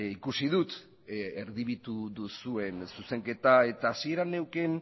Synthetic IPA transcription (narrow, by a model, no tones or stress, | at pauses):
ikusiðut̪ | eɾðiβit̪uðusue̞nsuse̞ŋke̞t̪ae̞t̪aːsie̞ɾane̞wke̞n